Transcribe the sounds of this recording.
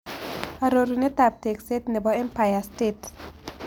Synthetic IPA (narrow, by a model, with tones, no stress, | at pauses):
a˨ɾo˨ɾu˨nɛ˦t̪a˨p̚te˨kse˦tnɛ˨bɔɛ˦mpa˨ja˨stet